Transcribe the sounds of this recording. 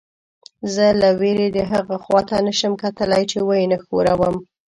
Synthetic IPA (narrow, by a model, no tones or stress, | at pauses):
zəlaweɾed̪əɦaɣaxwɑt̪anəʃəmkat̪əlajt͡ʃewajnaxoɾawəm